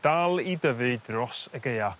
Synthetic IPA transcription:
d̥alˠidəvɨdrɔsəɡeja

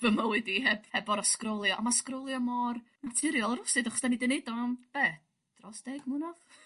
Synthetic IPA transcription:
vəməwɪdihɛbhɛbɔɾaskrɔlˠjɔʔamaskrɔwlˠjɔmɔr | natʰɪɾjɔlˠəɾʊsɨdaχɔ̥sd̥anidənedɔmb̥ɛ | d̥rɔsd̥ɛɡmʊnɔ

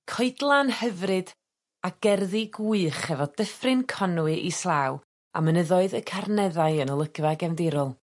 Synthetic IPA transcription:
kʰɔɨdlˠanhəvrɨd̥ | aɡ̥ɛrðiɡuɨχɛvɔdəfrɨnkʰɔnuɨʔislˠaw | a̰mənəðɔɨðəkʰarnɛðajənəlˠəɡ̥vaɡɛvndɪɾɔlˠ

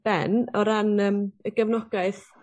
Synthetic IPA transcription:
b̥ɛ̰nɔɾanəːməɡəvnɔɡaɨθ

